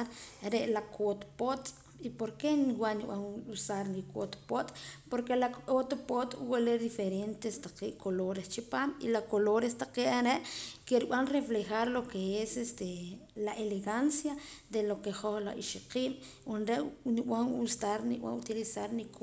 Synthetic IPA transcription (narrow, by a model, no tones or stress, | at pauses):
ɾɾeʔlakʰot̪pot̪ʼ | ipoɾkeniwaʔniɓ̰aŋusaɾnikot̪pot̪poɾkelakot̪pot̪woleɾd̪ifeɾent̪est̪aqeːʔkʰoloɾest͡ʃipaːmḭlakoloɾest̪aqeːʔaɾeʔkeɾɓanreflexaɾlokeesest̪elaʔeleɣansjad̪elokeχoχlaiʃiqiːɓ | wonɾeʔniɓaŋust̪aɾniɓa̰ut̪ilisaɾnik